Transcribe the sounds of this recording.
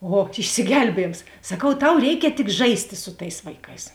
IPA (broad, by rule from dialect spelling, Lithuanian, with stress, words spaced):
ˈoː ɪʃʲsʲɪˈɡʲɛlʲbʲiɛjeːms sɐˈkɐʊ ˈtɐʊ ˈrʲɛɪkʲɛ tʲɪk ˈʒɐɪsʲtʲɪ sʊ ˈtɐɪs ʋɐɪˈkɐɪs